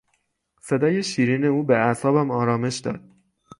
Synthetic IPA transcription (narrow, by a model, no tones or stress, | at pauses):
se̞d̪ɒːje̞ʃiːɾiːne̞uːbeæsɒːbæmɒːɾɒːme̞ʃd̪ɒ̰ːd̪̥̚